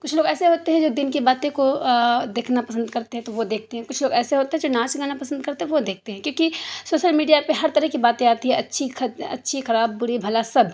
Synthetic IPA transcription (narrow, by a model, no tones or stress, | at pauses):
kʊt͡ʃʰloːɡɛːseɦoːt̪eɦɛ̃d͡ʒoːd̪ɪnkibaːt̪ẽkod̪eːkʰnapɐsə̃nd̪kɐɾt̪eɦɛ̃t̪oʋod̪eːk̚ʰt̪eɦɛ̃kʊt͡ʃʰloːɡɛːseɦoːt̪eɦɛ̃d͡ʒoːnãːt͡ʃɡaːnapɐsə̃nd̪̚kɐɾt̪eɦɛ̃ʋod̪eːk̚t̪eɦɛ̃kjõːkisoːʃəlmiːɖijapeɦɐɾt̪ɐɾəɦkibaːt̪ẽaːt̪iɦɛ̃ɐtːʃʰixɐɐ̰tːʃʰixɐɾaːbːʊɾibʱɐlasɐb